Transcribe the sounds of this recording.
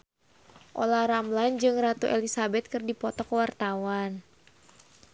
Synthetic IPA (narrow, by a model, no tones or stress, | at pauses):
ʔolahɾamland͡ʒɨŋrat̪uʔelisabɛt̪̚kɨrdipɔt̪ɔkəwart̪awan